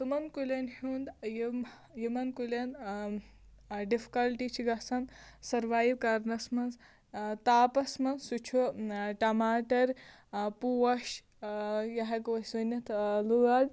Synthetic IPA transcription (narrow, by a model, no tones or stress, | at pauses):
sumɐnkulʲɐnhund̪jim | jimɐnkulʲɐn | ɖifi̥kɐlʈit͡ʃʰiɡɐsɐmsɐɾʋaːjiwkɐɾnɐsmɐnz | t̪aːpɐsmɐnzsut͡ʃʰuʈɐmaːʈɐɾ | puʋɐʃ | jɐɦɐkuʋɐsunʲɐt̪luɡad̪